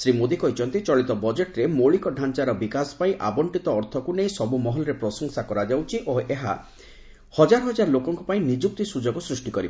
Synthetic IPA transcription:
sɾimod̪ikɔit͡ʃʰɔnt̪it͡ʃɔɭit̪ɔbɔd͡ʒeʈɾemoɭikɔɖʱant͡ʃaɾɔbikaspaĩʔa̰bɔɳʈit̪ɔːɾt̪ʰɔkuneisɔbumɔɦɔlɔɾepɾɔsɔŋsakɔɾad͡ʒawt͡ʃʰiʔoeɦa̰ | hɔd͡ʒaɾɔɦɔd͡ʒaɾɔlokɔŋkupaĩnid͡ʒuk̚t̪isud͡ʒoɡɔsɾusʈikɔɾiba

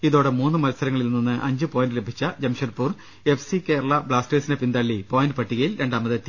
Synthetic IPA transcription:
iðo̞ːɽemuːnːɨmɐlɐsɐɾɐŋːɐɭilnːonːɨʔɐɲd͡ʑɨpo̞ːjndɨlebʱit͡ɕːɐd͡ʑɐmʂɐrpuːr | e̞fsike̞ːɾɐɭɐbɭaːsʈe̞ːsinepind̪ɐɭːipo̞ːjindɨpɐʈːiɣɐjilɾe̞ɳɖaːmɐðɨt̪ːi

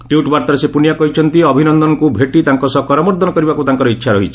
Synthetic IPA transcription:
ʈjuʈbaɾt̪aɾesepunijakɔɦit͡ʃʰɔnt̪iɔbʱinɔnd̪ɔnɔkubʱeʈit̪aŋkɔsɔkɔɾɔmɔɾd̪ʱɔnɔkɔɾibakut̪aŋkɔɾɔitːʃʰaɾɔɦit͡ʃʰi̥

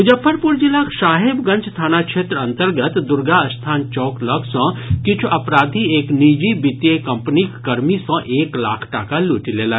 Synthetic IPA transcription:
ud͡ʒəpʰːəɾpuɾd͡ʒilaːkʰʃaːɦebɡəɲt͡ʃʰt̪ʰaːnakʃeːt̪ɾɐ̃nt̪əɾɡət̪d̪ʊɾɡaɐst̪ʰaːnt͡ʃɔːkləksɔ̃ːkit͡ʃʰuʔɐpɾaːd̪ʱieːknid͡ʒibit̪jekɐmpnikːɐɾmisɔ̃ʔeːkla̰ːkʰʈakaluːʈileːla

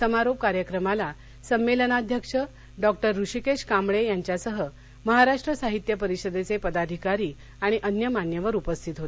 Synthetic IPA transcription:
səmaɾop̚kaɾjəkɾəmala | səmːelənad̪ʱjəkʂə | ɖɔk̚ʈəɾːuɕikeɕkamɭejaɲt͡ɕjasəɦə | məɦaɾaʂʈɾəsaɦit̪jəpəɾiɕəd̪et͡sepəd̪ad̪ʱikaɾiː | aɽ̃iʔənjəmaɳjəʋəɾupəst̪ʰit̪ɦot̪

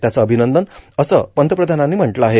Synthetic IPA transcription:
t̪jat͡səːbʱinənd̪ənʌsəpənt̪əpɾəd̪ʱananːeim̤əɳʈləaɦe

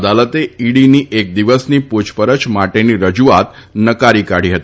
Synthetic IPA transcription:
d̪alət̪eiɽiniʔek̚d̪iʋəsniput͡ʃpəɾət͡ʃmaʈeniɾəd͡ʒuat̪ | nəkaɾikaɽ̤iɦət̪i

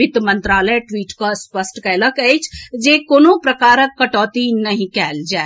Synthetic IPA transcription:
ɪt̪mə̃nt̪ɾaːləeʈʋiːʈkəspəsʈkɛːləkəjt͡ʃʰd͡ʒekoːnopɾəkaːɾəkːəʈɔːt̪inəɦĩkɛːld͡ʒae

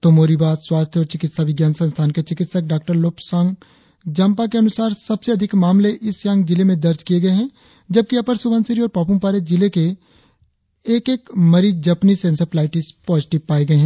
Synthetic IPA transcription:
t̪omoːɾibaːswaːst̪ʰjɔːɾt͡ʃɪkɪt̪saʋɪɡjaːnsɐ̃nst̪ʰaːnket͡ʃɪkɪt̪sək̚ɖaːk̚ʈəɾloːpsãːŋɡ | d͡ʒɐ̃ːmpak̬eɐnʊsaːɾsɐbseɐd̪ʱɪkmaːmleʔɪsjãːŋɡd͡ʒɪlemẽd̪ɐɾd͡ʒkijeɡɐeɦɛ̃ː | d͡ʒɐb̚kiɐpəɾsʊbə̃nsɪɾiɔːɾpaːpũmpaːɾed͡ʒɪleke | eːkeːkmɐɾid͡ʒɐpnisẽnsəplaːɪʈispɔːzɪʈɪʋpaːeɡɐeɦɛ̃ː

